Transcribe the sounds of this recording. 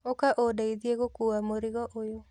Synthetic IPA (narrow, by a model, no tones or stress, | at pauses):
okaʔodaiðieɣokuːwamoɾiɣɔʔojo